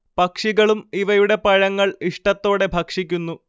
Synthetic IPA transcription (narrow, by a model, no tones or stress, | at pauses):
pɐkʂiɣɐɭumiʋɐjuɽe̞pɐɻɐŋːɐɭiʂʈɐt̪ːo̞ːɽe̞bʱɐkʂikʲːunːu